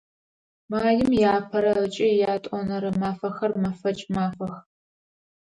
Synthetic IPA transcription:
maːjɪmjaːpʰɐɾɐət͡ʃʼɐjaːtʼɔnɐɾɨmaːfɐxɐrmɐfɐt͡ʃʼmaːfɐx

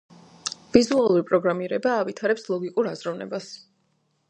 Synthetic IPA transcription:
vizualˠuɾipʼɾɔɡɾamiɾɛbaːvit̪ʰaɾɛpslˠɔɡikʼuɾazɾɔvnɛ̰bas

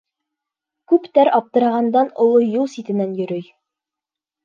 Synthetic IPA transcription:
kʉpt̪æɾɒp̚t̪ɤ̆ɾɑʁɑnd̪ɑnŏlˠojulˠsit̪ɘ̆nænjɵ̆ɾɵj

